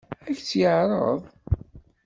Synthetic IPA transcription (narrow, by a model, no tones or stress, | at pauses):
æçt͡sːjəʕɾˤə̰ðˤ